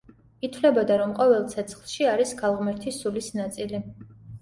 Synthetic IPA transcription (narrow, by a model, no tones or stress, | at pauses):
it̪ʰvlɛbɔd̪aɾɔmqʼɔvɛlˠt̪sʰɛt̪sʰχlˠʃiaɾisɡalˠʁmɛɾt̪ʰisulisnat̪sʼili